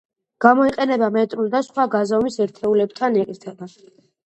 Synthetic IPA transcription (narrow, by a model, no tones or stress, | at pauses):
ɡ̥amɔiqʼɛnɛbamɛt̪ʼɾulˠd̪asχwaɡazamisɛɾt̪ʰɛulɛb̚t̪ʰanɛkʼiɾt̪ʰɛba